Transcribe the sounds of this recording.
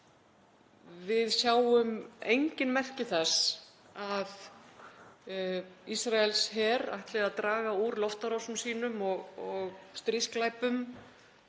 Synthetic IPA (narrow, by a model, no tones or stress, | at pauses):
vɪðsjaːwʏmejɲcɪnmɛr̥cɪθɛs | að | isɾaɛlshɛːɾa̰jht̪lɛɣaðt̪ɾaːɣauɾlɔft̪aɾɔwsʏmsiːnʏmɔɣɔɣst̪ɾɪsklajpʏm